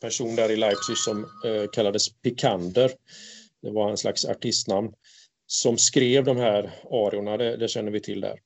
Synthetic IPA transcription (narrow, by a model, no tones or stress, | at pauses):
pʰæʂuːnd̪æːɾɪlajpsɪsɔmkʰalːad̪əspʰɪkʰand̪əɾd̪ɛvaɾɛnsla̰ksa̰ʈʰɪst̪namn | sɔmskɾeːvd̪ɔmhæːɾɑːɾɪʊɳad̪ɛd̪ɛɕɛnːəvɪt̪ʰɪld̪æ̰ːɾ